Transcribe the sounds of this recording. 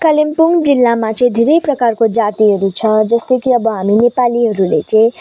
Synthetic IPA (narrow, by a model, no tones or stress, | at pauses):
kʌlimpuŋɡd͡zilːamat͡sʌĩd̪ʱeɾʌjprʌkarkod͡zat̪iɦʌɾut͡sʰʌ̃d͡zʌst̪ʌjkiʌbʌɦaminepaliɦʌɾulḛt͡sʌ̃ĩ